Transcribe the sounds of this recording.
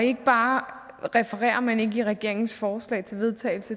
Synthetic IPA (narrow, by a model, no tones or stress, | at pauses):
ɒe̝ɡ̥əb̥ɑ̈ː | ʁɛfəʁɛ̰ːɐmæne̝ɡ̥əiʁɛɡ̥e̝ɐ̰e̝ŋn̩sfɒːslɛ̰ːɪt͡sʰe̝lʋe̝ð̞ˠt͡sʰɛ̰ːɪlsə